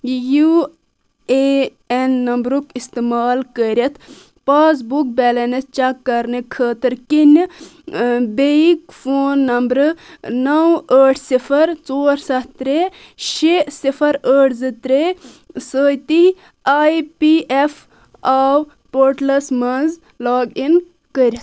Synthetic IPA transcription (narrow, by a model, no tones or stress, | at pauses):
ju | e | enːɐmbɾukist̪emaːlkəɾʲɐt̪ʰ | paːs̬buk̚bʲɛːlɐnɐst͡ʃakːɐɾnɨkʰəːt̪ɐɾkin | beikfoːnːɐmbɾɨnɐwəːʈʰsifʰɐɾt͡soːɾsɐt̪t̪ɾe | ʃesipʰɐɾəːʈʰzɨt̪ɾe | səːjt̪i | aːipiʔef | aːw | poːɾʈlɐsmɐnz | laːɡin | kəɾʲɐt̪